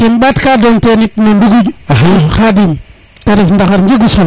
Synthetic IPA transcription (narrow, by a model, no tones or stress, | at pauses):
kinbatkadontenitnonduɡud͡ʒaxadim | taɾifndaxaɾnd͡ʒiɡusol